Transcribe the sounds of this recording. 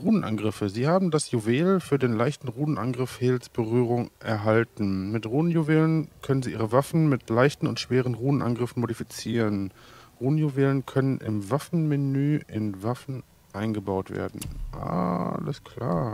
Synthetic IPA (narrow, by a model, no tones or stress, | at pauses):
ʁuːn̩ʔa̰nɡʁɪfəziːhaːbm̩dasjuveːlfyːɐdeːnlaɪçtn̩ʁuːn̩ʔa̰nɡʁɪfheːlsb̥əʁyːʁ̞ʊŋʔɛɐɦaltn̩mɪtʁuːn̩juveːlənkʰœnənziːʔiːʁəvafn̩mɪtʰlaɪçtn̩ʊ̰ntʃv̥eːʁ̞ənʁuːən̩ʔa̰nɡʁɪfn̩modifit͡siːʁənʁuːənjuveːlənkʰœnənʔɪ̰mvafn̩menyːʔɪ̰nvafn̩ | ʔaɪnɡəbaʊtv̥ḛːɐdn̩ʔa̰ləskʰl̥a̰ːɐ